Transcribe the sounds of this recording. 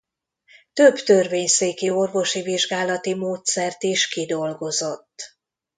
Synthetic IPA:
t̪ø̞bt̪ø̞rveːɲseːkio̞rvo̞ʃiviʒɡaːlɒt̪imoːt̪sɛrt̪iʃkid̪o̞lɡo̞zo̞t̪ː

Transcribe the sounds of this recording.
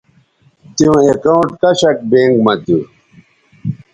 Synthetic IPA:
t̪iũekaũʈkɐɕɐk̚bẽːŋɡmɐt̪u

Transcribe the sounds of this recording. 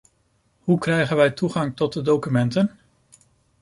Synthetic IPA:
ɦukrɛjχənʋɛjtuχɑŋtɔt̚dədowkymɛntən

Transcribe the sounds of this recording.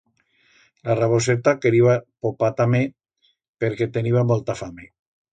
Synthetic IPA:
laraβoset̪akeɾiβapopat̪ame | peɾket̪eniβamolt̪afame

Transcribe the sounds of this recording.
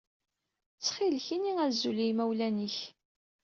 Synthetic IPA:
t͡sːχilçiniæzulijmæwlæniç

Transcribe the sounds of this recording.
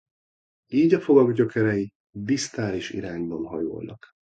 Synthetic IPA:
iːɟɒfoɡɒɡɟøkɛɾɛji | d̪ist̪aːliʃḭɾaːɲbɒnɦɒ̰jo̰ːjlɒ̰k

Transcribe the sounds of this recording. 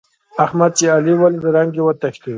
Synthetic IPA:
ahmad̪̚t͡ʃealiwalid̪əɾaŋɡewat̪aɕli

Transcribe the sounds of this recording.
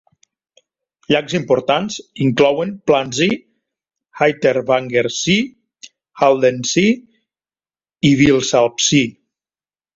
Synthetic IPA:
ʎakzimpoɾt̪anziŋklɔwemplanzi | hajt̪eɾβaŋɡeɾsi | halˠd̪ensi | iβilˠsalˠpsi

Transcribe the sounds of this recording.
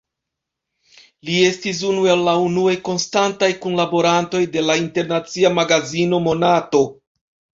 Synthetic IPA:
lie̞stis̬unuelːaunuejko̞nstantajkunlabo̞ɾanto̞jde̞lainte̞ɾnat͡siamaɡazino̞mo̞nato̞

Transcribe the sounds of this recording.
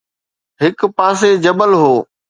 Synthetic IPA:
ɦɪkpaːsed͡ʑɐbəlɦoː

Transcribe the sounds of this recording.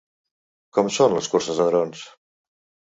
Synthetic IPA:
kɔmsonləskuɾsəzðəðɾons

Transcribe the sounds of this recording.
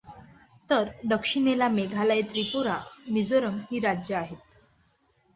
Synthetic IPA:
t̪əɾd̪əkʂinelameɡʱalajt̪ɾipuɾamid͡zoɾəŋɡhiːɾad͡ʑjəaɦet̪̚

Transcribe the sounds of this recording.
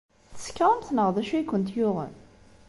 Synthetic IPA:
θə̥skːʁˤəmθnəʁðæʃuikʷːənt̪jʊʁə̰n

